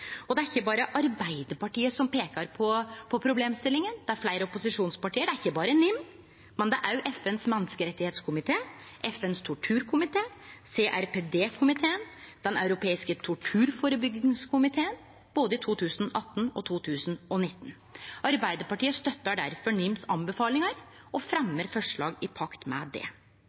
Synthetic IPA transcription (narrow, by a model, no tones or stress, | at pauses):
ɔd̪ɛæɾɪçːəbɑːɾəʔɑɾbæɪd̪əpɑʈiːəsɔmpeːkɑɾpʰɔpʰɔpʰɾʊbleːmst̪ɪlːɪŋənd̪̥ɛæɾflæɪɾəɔpʊsɪʂuːnspɑʈiːəɖæɾɪçːəbɑːɾənʏmː | mɛnd̪ɛʔæɾjʉʔɛfɛnsmɛnːskəɾɛt̪ːɪheːt̪skʰʊmɪt̪ʰeːʔɛfɛnst̪ʰʊʈʰʉːɾkʰʊmɪt̪ʰeːseːʔæɾpeːd̪eːkʰʊmɪt̪ʰeːənd̪̥ɛnɑʉɾʊpʰeːɪskət̪ʰʊʈʰʉːɾfoːɾəbʏɡɪŋskʰʊmɪt̪ʰeːən | b̥oːd̪əɪt̪ʰuːt̪ʰʉːsnɔʔɑt̪ːnɔ̰t̪ʰuːt̪ʰʉːsnɔnɪt̪ːn | ɑɾbæɪd̪əɾpɑʈiːəst̪œt̪ːəɖæɾfɔɳɪmsɑnbəfɑːlɪŋəɾ | ɔfɾɛmːəɾfɔʂɭɑ̰ːɡɪpʰɑkt̪mɛ̰d̪ɛ̰